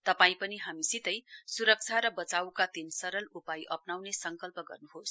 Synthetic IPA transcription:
t̪ʌpaĩpʌniɦamisit̪ʌjsuɾʌk̚t͡sʰaɾʌbʌt͡sawkat̪insʌɾʌlupajʔʌpnawnesʌŋkʌlpʌɡʌ̰rnuɦos

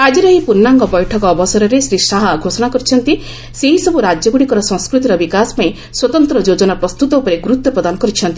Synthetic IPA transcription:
ad͡ʒiɾɔɦipuɾnːaŋɡɔbɔjʈʰɔkɔːbɔsɔɾɔɾesɾisaɦaɡʱosɔɽ̃akɔɾit͡ʃʰɔnt̪i | seɦisɔbuɾad͡ʒjɔɡuɽ̃ikɔɾɔsɔ̃ŋ̃skɾut̪iɾɔbikasɔ̥paĩ | swɔt̪ɔnt̪ɾɔd͡ʒod͡ʒɔnapɾɔst̪ut̪ɔupɔɾeɡuɾut̪ːɔpɾɔd̪anɔkɔɾit͡ʃʰɔnt̪i

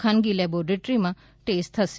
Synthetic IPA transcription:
kʰanɡilɛbɔɾeʈɾimã | ʈest̪ʰəse

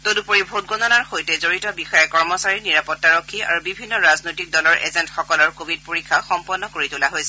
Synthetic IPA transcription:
todupoɹibʱot̚ɡɔnɔnaɹxojtɛzoɹitɔbixɔjɛkɔɹmɔsaɹiniɹapɔtːaɹokʰːia̰ɹubibʱinːɔɹaznojtik̚dɔlɔɹʔɛ̰zɛntxɔkɔlɔɹkobʱid̚poɹikʰːaxɔmpɔnːɔkoɹitulaɦojsɛ

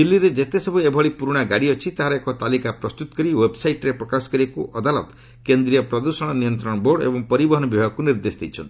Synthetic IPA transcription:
d̪ilːiɾed͡ʒet̪esɔbʱuebʱɔɭipuɾuɽ̃aɡaɽiɔt͡ʃʰit̪aɦaɾekɔt̪alikapɾɔst̪ut̪ɔ̥kɔɾiwebsajʈɾepɾɔkasɔ̥kɔɾiekuʔɔd̪alɔ̰t̪ | kend̪ɾijɔpɾɔd̪usɔɽ̃ɔnijɔnt̪ɾɔɽ̃ɔboɽḛbɔŋpɔɾibɔɦɔnɔbibʱaɡɔkuniɾd̪esd̪ḛjt͡ʃʰɔ̰nt̪i

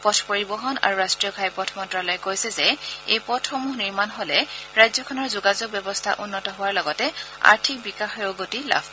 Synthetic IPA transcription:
pɔtʰpoɹibɔɦɔna̰ɹuɹastɹijɔɡʰʱajpɔtʰɔmɔntɹalɔjɛkojsɛzɛejpɔtʰxɔmuɦniɹmanɦolɛɹajzɔkʰɔnɔɹzʊɡazɔɡ̚bjɔbɔstʰa̰ʔunːɔtɔɦʊwaɹlɔɡɔtɛa̰ɹtʰik̚bikaxɔjoɡotila̰pʰ

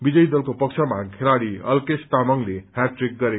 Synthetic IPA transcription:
bid͡zʌjd̪ʌlkopʌkt͡ʃʰʌmakʰeɾaɽiʌ̰lkest̪amʌŋlehaʈrik̚ɡʌɾe

